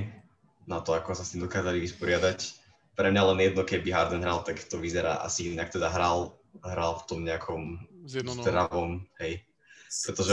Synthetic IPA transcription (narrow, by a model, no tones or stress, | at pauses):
nat̪ɔakɔsast̪imd̪ɔkaːzaliʋispɔɾɪad̪ac | pɾɛmɲalɛnjɛd̪nɔkɛbiɦaɾd̪ɛnɦɾalˠt̪akt̪ɔʋizɛɾa̰ːʔa̰siinak̚t̪ɛd̪aɦɾalˠ | ɦɾalft̪ɔmɲɛakʰɔmzd̪ɾaʋɔmɦɛj | pɾɛt̪ɔʒɛ